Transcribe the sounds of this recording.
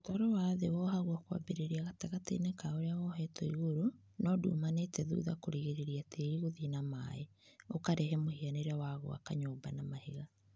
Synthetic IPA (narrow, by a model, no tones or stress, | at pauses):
otaɾɔwaðewɔhaɣwakwa̰beɾeɾiaɣataɣatḛnɛkaoɾeawɔɦɛtʰɔiɣoɾo | nɔdṵːmanetɛðṵːðakoɾeɣeɾeɾiatʰeiɣoðinamae | okaɾɛɦɛmohianeɾeawaɣo̰a̰kaɲoːbanamaheɣa